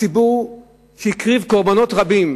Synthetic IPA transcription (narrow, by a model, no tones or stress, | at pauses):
ibuʁ | ʃikʁivko̞ʁbano̞tʁabim